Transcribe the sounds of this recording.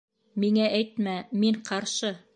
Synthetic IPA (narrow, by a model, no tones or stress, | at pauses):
miŋæʔæjt̪̚mæmiɴqɑɾʃɤ